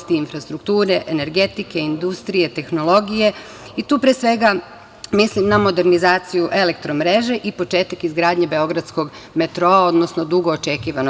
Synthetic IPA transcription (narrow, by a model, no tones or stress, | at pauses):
st̪iinfɾast̪ɾukt̪uːɾe̞ʔene̞ɾɡe̞t̪ike̞ind̪ust̪ɾije̞t̪e̞xno̞lˠo̞ɡije̞ | it̪uːpɾesʋe̞ɡa | mislimnamo̞d̪e̞ɾnizaːt̪sijuʔe̞le̞k̚t̪ɾo̞mɾe̞ʒe̞ʔipo̞t͡ʃe̞ːt̪akizɡɾaːd̪ɲebe̞o̞ɡɾad̪sko̞ɡ | me̞t̪ɾoao̞d̪no̞sno̞d̪uɡo̞ːt͡ʃe̞kiːʋano